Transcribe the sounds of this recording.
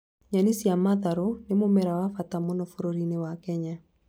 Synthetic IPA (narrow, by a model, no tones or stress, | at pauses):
ɲanisiamaðaɾonemomɛɾawafatamɔnɔfoɾoɾinewakɛɲa